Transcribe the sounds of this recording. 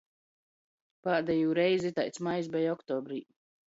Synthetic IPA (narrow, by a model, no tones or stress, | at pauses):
paːd̪ɛjuːɾɛjzit̪ajt̪smajs̬bɛjɔkt̪ɔːbɾiː